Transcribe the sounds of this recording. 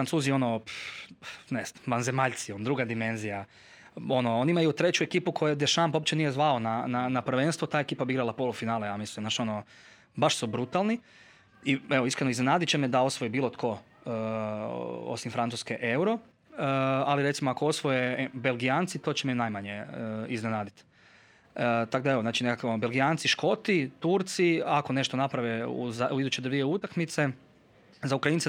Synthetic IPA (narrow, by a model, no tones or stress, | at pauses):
ɾant̪suːzio̞no̞ | nesnamʋanzemaʎʲt̪siond̪ɾuɡad̪ime̞nzija | o̞nooniimajut̪ɾe̞t͡ɕuekiːpukʰo̞jed̪eʃampo̞pt͡ɕenije̞zʋaonananapr̩ʋe̞nst̪ʋot̪aːekiːpabiiɡɾalˠapo̞lˠufinaːlejaːmislimnaʃo̞no | baʃsubɾut̪alˠni | ieʋoiskɾenoiznenaːd̪it͡ɕemed̪ao̞sʋojibiːlot̪kʰo̞ | o̰simfɾant̪uskeʔewɾo̞ | aliɾesimoako̞o̞sʋojebelˠɡijaːnt̪sit̪o̞t͡ɕemenajmaɲeiznenaːd̪it̪ː | t̪akd̪aeʋo̞znaːt͡ʃine̞kakonbelɡijaːnsiʃko̞t̪it̪uɾt̪siako̞ne̞ʃt̪o̞napɾaʋeṵzauid̪ut͡ɕe̞d̪oɾʋijeut̪akmit̪se̞ | zaukɾaint̪se